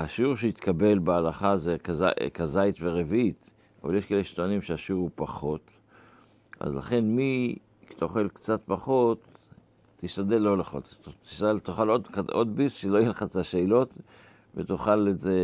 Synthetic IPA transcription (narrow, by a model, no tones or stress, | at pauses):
haʃiuʁʃeit̪kabe̞lbealaχazekaza̰kazait̪veʁevit̪ | ava̰ljeʃkeleʃtoanimʃeaʃuʁupaχo̞t̪ | ʔa̰zla̰χe̞nmi | kt̪aoχe̞lkt͡sat̪paχo̞tː | iʃt̪ad̪elːo̞leχo̰tt̪i̥ʃalt̪oχalod̪kaod̪bisʃelojeleχaet̪aʃeːlot̪ | vet̪uχaleze